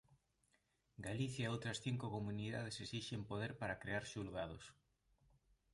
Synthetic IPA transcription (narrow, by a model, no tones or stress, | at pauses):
ɡaliθjaeowt̪ɾɐsθiŋkʊkomuniðað̞esesiʃempoðeɾpaɾɐkɾeaɾʃulɣað̞os